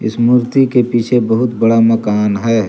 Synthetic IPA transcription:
ɪ̰smuɾt̪ikepiːt͡ʃʰebəɦʊt̪bəɽamɐkaːnɦɛː

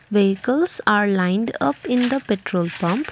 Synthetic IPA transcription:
ʋeɦɪkəlsaːɾlãɪ̃nɖʌpɪ̃nd̪əpeʈɾoːlpʌ̃mp

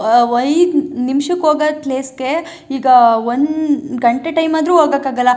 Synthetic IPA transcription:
ʋɐjd̪nimʃɐkɦoːɡɐtleːske | iːɡɐonɡɐɳʈeʈɐjmaːd̪ɾuːɦoːɡɐkaːɡɐlːɐ

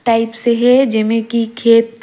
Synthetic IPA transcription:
ʈaːɪpseɦɛd͡ʒɐmẽkikʰeːt̪

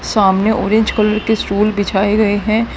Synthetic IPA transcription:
saːmneʔɔːɾɪ̃ɲd͡ʒkɐləɾkeskuːlbɪt͡ʃʰaːeɡɐeɦɛ̃ː

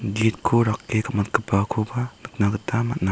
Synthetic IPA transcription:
ɡit̚kʰoɾakːekamat̚kɯpakʰobanɯk̚naɡɯtamat̚na

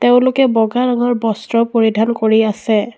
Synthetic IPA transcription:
teʊ̃lʊkɛbɔɡaɹaŋɔɹbɔstɹɔpoɹidʱankoɹiasɛ

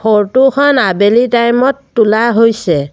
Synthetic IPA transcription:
xoɹtukʰɔnabelitajmɔtːulaɦojsɛ

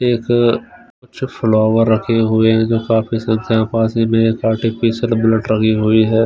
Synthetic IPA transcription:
eːk | kʊt͡ʃʰfʰloːʋəɾːɐkʰeɦʊeɦɛ̃d͡ʒoːkaːpisɐ̃ŋkʰjãːpãːsimẽeːkaːɾʈipiːsəlbɪləʈɾɐkʰiɦʊiɦɛː

